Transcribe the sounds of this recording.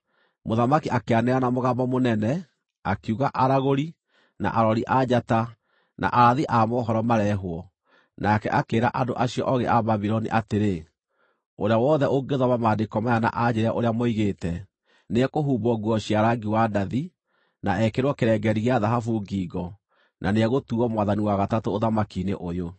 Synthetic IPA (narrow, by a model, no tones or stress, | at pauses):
moðamakiʔakeanɛanamoɣabɔmonɛnɛ | akuɣaʔaɾaɣoɾi | na̰ʔaɾɔɾiʔad͡ʑata | na̰ʔaɾaðiʔamɔɦɔɾɔmaɾɛɦwɔ | nakɛʔakeːɾa̰ʔadoʔaɕiɔ̰ʔɔɣeʔaβaβiɾɔnḭʔateɾe | oɾeawɔːðɛoɡeðɔβamaːdekɔmajana̰ʔad͡ʑeɾɛʔoɾeamɔiɣetɛ | neɛkoɦuːbɔɡuɔɕiaɾaɡiwadaði | naɛkeɾwɔkeɾɛɡɛɾiɣeaðaɦafuɡiːɡɔ | nʔaneɛɣotuɔmwaðaniwaɣatatoːðamakiːnḛʔojo